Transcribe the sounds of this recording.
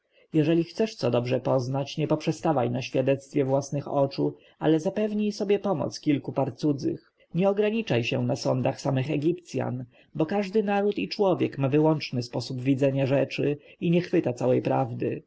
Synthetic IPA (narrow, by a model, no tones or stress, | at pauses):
jɛʐɛlʲixt̪sɛʂt̪sɔd̪ɔbʐɛpɔznat͡ɕɲɛpɔpʂɛst̪avajnaɕfʲjad̪ɛt̪st̪fʲjɛvwasnɘxɔt͡ʂu | a̰lɛzapɛvɲijsɔbʲjɛpɔmɔ̰t̪skʲilkupaɾt̪sud̪zɘ̰x | ɲɛɔɡɾaɲit͡ʂajɕɛ̰̃nasɔnd̪axsamɘxɛɡʲipt̪sʲja̰n | bɔkaʐd̪ɘnaɾut̪it͡ʂwɔvʲjɛkmavɘwɔnt͡ʂnɘspɔsubvʲid̪zɛɲaʐɛt͡ʂɘiɲɛxfɘt̪at̪sawɛjpɾa̰vd̪ɘ